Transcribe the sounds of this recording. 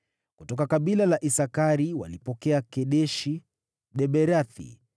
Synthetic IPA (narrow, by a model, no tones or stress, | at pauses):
kutɔkakaɓilalaʔisakaɾiwa̰lipɔkɛakɛɗɛʃi | ɗɛɓɛɾaθḭ